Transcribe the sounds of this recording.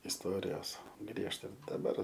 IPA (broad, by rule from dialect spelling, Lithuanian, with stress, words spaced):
ɪsˈtoːrʲɪjoːs ˈɡrʲiɛʃtɐ dɐˈbɐr